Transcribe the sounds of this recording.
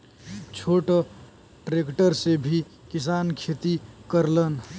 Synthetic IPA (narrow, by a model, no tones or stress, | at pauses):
t͡ʃʰoʈ | ʈɾekʈəɾsebʱi | kɪs̬ankʰet̪ikəɾlən